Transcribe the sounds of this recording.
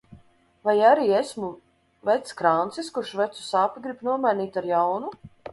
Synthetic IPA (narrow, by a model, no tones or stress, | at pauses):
vajaɾiːesmu | vɛt̪skɾant̪siskuɾʃvɛt̪su̥saːpiɡɾipnuɔmajnʲiːt̪aɾjawnu